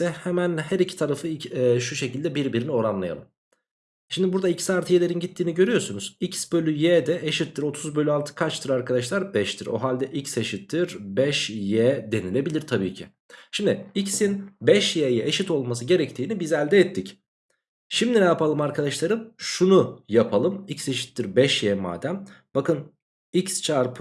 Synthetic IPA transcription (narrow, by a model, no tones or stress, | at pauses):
ɛhɛmænhæɾicʰi̥t̪ʰaɾafɯiʃuʃe̞cilʲd̪ɛbiɾbiɾinio̞ɾanlˠaja̰lˠɯ̰m | ʃimd̪ibuɾd̪aicʰi̥saːɾt̪ʰɯjelʲe̞ɾinɟit̪ʰːiːniɟø̞ɾyjo̞ɾsunuz̥icsbø̞lʲyjɛːd̪ɛʔeʃit̪ʰːiɾo̞t̪ʰuzbø̞lʲyalˠt̪ʰɯ̥kʰat͡ʃt̪ʰɯɾaɾkʰad̪aʃlˠaɾbɛʃt̪ʰiɾo̰ɦalʲd̪ɛʔicse̞ʃit̪ʰːiɾbɛʃjɛd̪e̞nilʲe̞bilʲiɾt̪ʰabḭːcʰḭ | ʃimd̪ɪicsinbɛʃjɛjɛʔeʃit̪o̞lˠmas̬ɯɟe̞ɾɛct̪ʰiːnibizɛlʲd̪ɛɛt̪ʰːic | ʃimd̪inɛjapalˠɯmaɾkʰad̪aʃlˠaɾɯmʃunujapʰalˠɯmicse̞ʃi̥t̪ːiɾbɛʃjɛːma̰ːd̪æmbakɯn | icst͡ʃʰaɾpʰɯ